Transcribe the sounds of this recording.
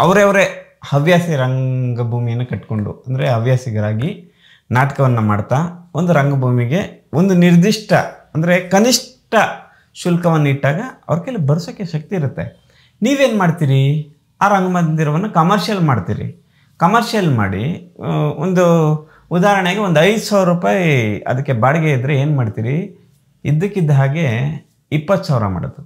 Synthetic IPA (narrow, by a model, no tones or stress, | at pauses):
ɐʋɾɐʋɐɾe | hɐʋjaːsiɾɐŋɡɐbʱuːmijɐnːɐkɐʈko̞ɳɖṵɐnd̪ɐɾeɦɐʋjaːsiɡɐɾaːɡi | naːʈɐ̥kɐʋɐnːɐma̰ːɽt̪aːond̪uɾɐŋɡɐbʱuːmiɡe̞ond̪uniɾd̪iʂʈʰɐɐnd̪ɐɾe̞kɐniʂʈɐ | ʃulkɐʋɐnːɐiʈːaːɡɐɐ̰ʋɐɾɐkelːibɐɾsoːkːeʃɐk̚t̪iːɾut̪ːe̞ | niːʋe̞ːnmaːɖt̪iːɾi | aːɾɐŋɡɐmɐnd̪iɾɐʋɐnːukɐmɐɾʃjɐlmaːɖt̪ḭːɾḭ | kɐmɐɾʃijɐlma̰ːɽḭ | ond̪u | ud̪aːɾɐɳeɡe̞ond̪ɐjd̪usaːʋɾɐɾuːpaːjɐ̰d̪ɐkːe̞baːɽɐɡeid̪ɾeeːnmaːɽt̪iːɾi | ḭd̪ːɐkːid̪ːɐɦaːɡe̞ | ipːɐt̪ːsaːʋɾɐ̰ma̰ːɽo̰d̪u